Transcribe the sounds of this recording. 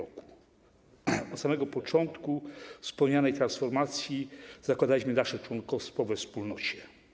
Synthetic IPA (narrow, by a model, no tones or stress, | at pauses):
ɔku̥ | ɔt̪samɛɡɔpɔt͡ʂɔnt̪kufspɔɲanɛjt̪ɾansfɔɾmat̪sʲjiz̥akwad̪alʲiɕmɘnaʂɛt͡ʂwɔnkɔfst̪fɔvɛfspulnɔt͡ɕɛ̥